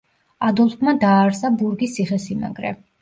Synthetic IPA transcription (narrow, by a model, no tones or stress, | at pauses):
ad̪ɔlˠpʰmad̪aːɾsabuɾɡisiχɛsima̰ɡɾɛ̰